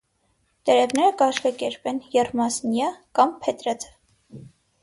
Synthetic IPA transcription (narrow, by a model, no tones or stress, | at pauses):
t̪ɛɾɛvnɛɾəkɑʃkɑkɛɾpɛnjɛrmɑsnjɑkɑmpʰɛt̪ɾɛt͡sʰə̥